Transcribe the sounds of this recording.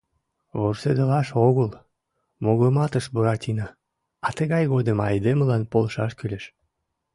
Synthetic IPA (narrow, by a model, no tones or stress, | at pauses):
βorsed̪əlɑʃoɣəl | moɣəmɑt̪əʃbuɾɑt̪ʲinɑ | ɑt̪əɣɑjɣod̪əmɑjd̪eməlɑnpolʃɑʃkylʲeʃ